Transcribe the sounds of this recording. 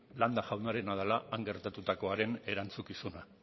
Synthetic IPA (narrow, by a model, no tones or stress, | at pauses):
land̪aʝawnaɾe̞naðalaːŋɡe̞ɾt̪at̪ut̪ako̞aɾe̞ne̞ɾant͡sukisuna